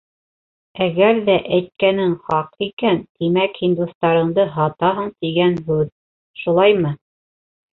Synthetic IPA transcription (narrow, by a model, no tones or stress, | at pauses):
æɡæɾðæʔæjt̪̚kænɘŋχɑqikænt̪imækhind̪ust̪ɑɾɤ̆ɴd̪ɤɦɑt̪ɑɦɤɴt̪iɡænɦʉð | ʃulˠɑjmɤ